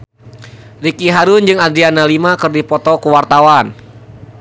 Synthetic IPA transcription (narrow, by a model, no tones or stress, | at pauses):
rikiɦaɾʊnd͡ʒɨŋad̪ɾianalimakɨrdipɔt̪ɔkuwart̪awan